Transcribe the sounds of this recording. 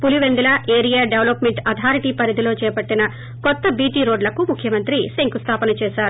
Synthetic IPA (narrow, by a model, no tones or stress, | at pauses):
puliʋend̪ilaːʔeːɾijaːɖeʋlopmeɳʈɐt̪ʰaːɾiʈiːpɐɾid̪ilo̞ːt͡ʃɛːpɐʈːinɐ | kɔt̪ːɐbiːʈiːɾo̞ːɖlɐkumukʰjɐmɐnt̪ɾiseŋkust̪ʰaːpɐnɐt͡ʃeːʃaːɾu